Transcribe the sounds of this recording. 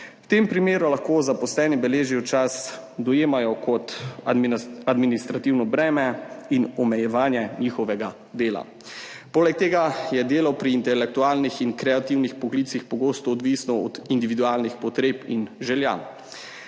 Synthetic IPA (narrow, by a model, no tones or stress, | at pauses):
wt̪empɾimeːɾulaxkoːzapɔslɛːnibɛleːʒiut͡ʃasd̪ɔjeːmajɔkɔt̪ | ad̪minist̪ɾat̪iwnɔbɾɛːmɛinɔmɛjɛʋaːnjɛniːxɔʋɛɡa | d̪eːla̰ | poːlɛk̚t̪eːɡajɛd̪eːlawpɾiːnt̪ɛlɛk̚t̪uaːlnixinkɾɛat̪iwnixpɔɡliːt̪sixpɔɡoːst̪ɔːd̪ʋisnɔɔd̪ind̪iʋid̪uaːlnixpɔt̪ɾeːpḭnʒɛlja̰